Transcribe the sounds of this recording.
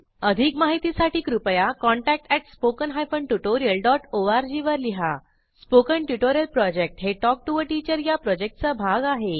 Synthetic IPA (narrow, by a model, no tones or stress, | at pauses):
əd̪ʱikmaɦit̪isaʈiːkɾupəjakɔɳʈæk̚ʈɛʈspokənɦajfəɳʈjuʈoɾijəlɖɔʈoaɾd͡ʑiʋəɾliɦa | spokəɳʈjuʈoɾiəlpɾɔd͡ʑek̚ʈɦeʈɔk̚ʈuʋəʈit͡ɕəɾjapɾɔd͡ʑek̚ʈ̚t͡səbʱaɡaɦe